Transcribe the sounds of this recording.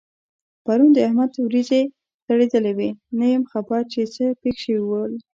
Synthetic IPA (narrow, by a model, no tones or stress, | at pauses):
paɾund̪əahmad̪wɾize | t̪aɽed̪əlewenajəmxabɑɾt͡ʃet͡səpexʃewiwəl